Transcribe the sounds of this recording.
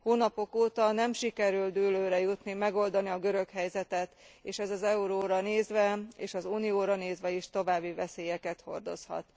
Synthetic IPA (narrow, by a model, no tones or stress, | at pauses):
hoːnɒpo̞koːt̪ɒnɛmʃikɛɾyld̪yːløːɾɛjut̪nimɛɡo̞ld̪ɒniɒɡøɾø̞khɛjzɛt̪ɛt̪ | eːʃɛzɒzɛuɾoːɾɒneːzʋɛeːʃɒzuːnijoːɾɒneːzʋɛiʃt̪o̞vaːbːivɛseːjɛkɛt̪ho̞̰rd̪o̞̰shɒ̰t̪